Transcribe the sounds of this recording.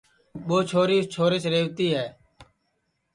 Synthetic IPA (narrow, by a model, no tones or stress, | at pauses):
ɓoːt͡ʃʰoːɾiːt͡ʃʰoːɾet͡ʃɾeːʋt̪iːɦɛː